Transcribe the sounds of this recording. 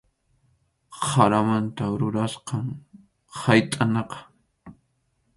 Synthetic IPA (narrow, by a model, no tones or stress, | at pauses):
χaɾamant̪aɾʊɾasqɑŋ | hajt̪ʼanɑqɑ̥